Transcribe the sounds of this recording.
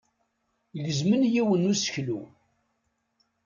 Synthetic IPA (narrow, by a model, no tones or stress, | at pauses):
ləzmənjiwənːusə̥çlṵ